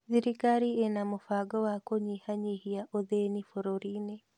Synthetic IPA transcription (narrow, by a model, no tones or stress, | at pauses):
ðiɾikaɾienamofaɡɔwakoɲihaɲihiaʔoðenifoɾoɾine